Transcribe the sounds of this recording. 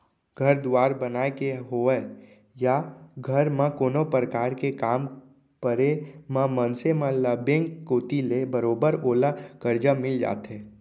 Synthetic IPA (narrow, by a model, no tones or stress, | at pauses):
ɡ̥ʱəɾd̪ʊwaːɾbənaːekeɦoːə | jaɡʱəɾmãkoːnopɾəkaːɾkekaːm | kəɾemãmənsemalaːbẽŋkːoːt̪ilebəɾoːbəɾoːlakəɾd͡ʒamɪld͡ʒa̰ːt̪ɦeː